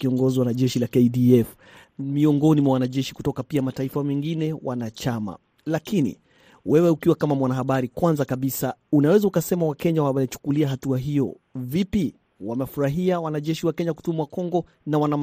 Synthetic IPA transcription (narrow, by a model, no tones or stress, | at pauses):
kiɔŋɡɔziwanaʄɛʃilakɛdiɛf | miɔŋɡɔnimwawanaʄɛʃikutɔkapiamataifawɛŋɡinɛwanat͡ʃama̰ | lakinḭ | wɛwɛukiwakamamwanaɦaɓaɾikwanzakaɓisaunawɛzaukasɛmawakɛɲawamɛɛt͡ʃu̥kuliaɦatuaɦijɔ̰ | vipi | wamɛfuɾaɦiawanaʄɛʃiwakɛɲaku̥tumwakɔŋɡɔ | nawanam